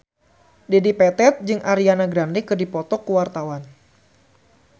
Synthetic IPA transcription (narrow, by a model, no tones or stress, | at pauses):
dedipɛt̪ɛt̪̚d͡ʒɨŋʔaɾianaɡɾandikɨdipɔt̪ɔkuwart̪awan